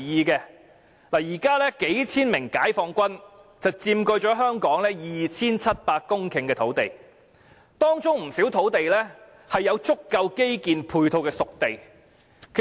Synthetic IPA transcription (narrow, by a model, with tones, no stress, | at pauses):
jiː˨˧kɛː˧ | laː˨˩jiː˨˩kaː˥lɛː˥ke˨˥jt͡sʰiː˥nmɪ˨˩ŋkaː˨˥jfɔː˧ŋkʷɐ˥n | t͡sɐ˨wt͡siː˧mkɵ˧ɥt͡ʃɔː˨˥ɦœː˥ŋkɔː˨˥ŋlɛː˥jiː˨t͡sʰiː˥nt͡sʰɐ˥t̚paː˧kkːʊ˥ŋkʰɪ˨ŋkɛː˧t̪ʰo˨˥wt̪e˨˩j | t̪ɔː˥ŋt͡sʊ˥ŋm̩˨˩siː˨˥wt̪ʰo˨˥wt̪e˨jlɛː˥ | hɐ˨jːɐ˨˧wt͡sʊ˥kːɐ˧wke˥jkiː˨npʰuː˧jt̪ʰo˧wkɛː˧sʊ˨k̚t̪e˨j | kʰ